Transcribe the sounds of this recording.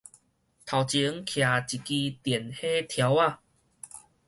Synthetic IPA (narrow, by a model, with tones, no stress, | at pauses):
t̪ʰa˨˩wt͡ɕi˧˦ə˦ŋkʰja˨˩t͡ɕi˨˩ki˧t̪jɛ˨˩nhe˦t̪ʰja˨˧˦wa˥˧˨